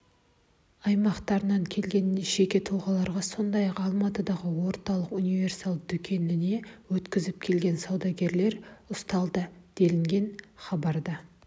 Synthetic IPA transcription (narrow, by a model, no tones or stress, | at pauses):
ɑjmɑqt̪ɑɾənɑŋkʲʰe̞lɡʲe̞nːeʒe̞kʲe̞t̪ʰulˠʁɑlˠɑɾʁɑso̞nd̪ɑjɑqɑlˠmɑt̪əd̪ɑʁəwo̞ɾt̪ɑlˠəqunijvʲe̞rsɑlˠd̪ʏkʲʰe̞nɪne̞wɵt̪kʲɪzɪp̚kʲʰe̞lɡʲe̞nsɑwd̪ɑɡʲe̞ɾle̞ɾʊst̪ɑlˠd̪əd̪̥e̞lɪŋɡʲe̞nχɑbɑɾd̪ɑ